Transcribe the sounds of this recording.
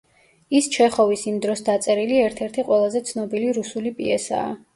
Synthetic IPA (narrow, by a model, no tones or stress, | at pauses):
ist͡ʃʰɛχɔvisimd̪ɾɔsd̪at̪sʼɛɾiliɛɾt̪ʰɛɾt̪ʰiqʼwɛlˠazɛt̪sʰnɔbiliɾusulipʼḭɛsa̰ː